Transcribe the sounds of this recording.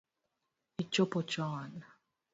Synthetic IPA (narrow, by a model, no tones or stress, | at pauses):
it͡ʃopot͡ʃɔn